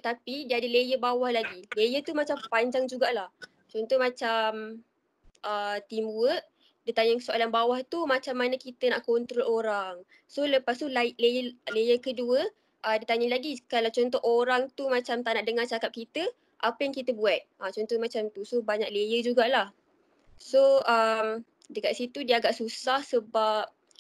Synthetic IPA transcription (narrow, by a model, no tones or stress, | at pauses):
t̪apidiadəlejəbawahlaɡilejət̪umat͡ʃampaɲd͡ʒaŋd͡ʒuɡaʔlah | t͡ʃɔnt̪ɔmat͡ʃam | ət̪imbuəʔ | dit̪aɲəksoʔalanbawaht̪umat͡ʃamːanəkit̪ənaʔkɔnt̪ɾɔloɾaŋ | soləpast̪ulaʔlejəlejəkəduə | ʔədit̪aɲəlaɡikalawt͡ʃɔnt̪ɔʔoɾaŋt̪umat͡ʃamt̪anaʔdəŋart͡ʃakap̚kit̪ə | ʔapəjaŋkit̪əbuat̪̚at͡ʃɔnt̪ɔmat͡ʃamt̪usobaɲak̚lejəd͡ʒuɡaʔlah | soəm | dəkaʔ̪sit̪udiəaɡaʔsusahsəbap̚